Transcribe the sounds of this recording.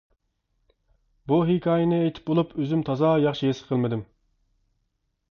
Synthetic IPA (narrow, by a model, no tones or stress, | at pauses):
buɦikʲʰɑːjɪnɨejt̪ʰɪ̥p̚bolˠupøzymt̪ʰɑzɑːjɑχʃijesqʰəlˠmɨd̪ɨm